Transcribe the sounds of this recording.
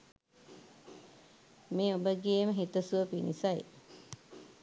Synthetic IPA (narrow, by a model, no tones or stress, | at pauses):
meːobəɡieməɦit̪əsuʋəpinḭsaj